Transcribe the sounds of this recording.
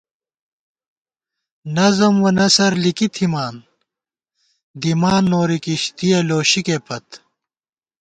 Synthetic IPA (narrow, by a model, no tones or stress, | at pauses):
nɐzɐmwɐnɐsɐɾlikit̪ʰimaːn | d̪imaːnːoːɾikiɕt̪ieloːɕikepɐt̪